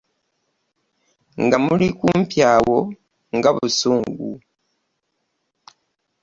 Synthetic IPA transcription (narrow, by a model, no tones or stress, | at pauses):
ŋɡamulikuːmpjaːwo̞ | ŋɡaβusuːŋɡṵ